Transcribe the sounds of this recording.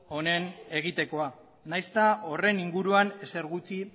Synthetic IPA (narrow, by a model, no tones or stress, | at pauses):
o̞ne̞ne̞ɣit̪e̞ko̞a | najst̪ao̞re̞niŋɡuɾuane̞se̞ɾɣut͡si